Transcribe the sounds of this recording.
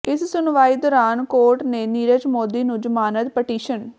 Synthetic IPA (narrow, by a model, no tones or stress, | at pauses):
ɪssʊnʋaːiːd̪ɔːɾaːnkoːɾʈneːniːɾəd͡ʒmoːd̪iːnũːd͡ʒəmaːnət̪pəʈiːʃən